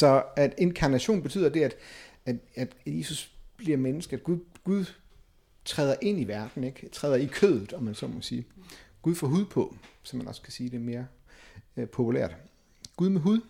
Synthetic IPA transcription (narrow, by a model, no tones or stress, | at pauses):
sɒ̽æd̥enkʰɑ̈næɕo̝̰ːnb̥e̝t͡sʰy̰ð̰ˠɐd̥e̝æd̥æd̥æd̥je̝ːsusb̥liɐ̰menəsɡ̥əæd̥̚ɡ̥uðˠɡ̥uð̞ˠ | t͡sʰʁɛːð̞ˠɐʔe̝n̰iʋæɐd̥n̩eɡ̥t͡sʰʁɛːð̞ˠɐikʰøðˠð̩ˠɒ̽mænsɒ̽mɒ̽siːɡ̥uð̞ˠfɒ̰ːɦuð̞ˠpʰɒ̽sɒ̽mænɒ̽skʰæsiːd̥e̝me̝ːɐ | pʰo̝pʰulæ̰ɐ̰d̥ | ɡ̥uðˠmeɦuðˠ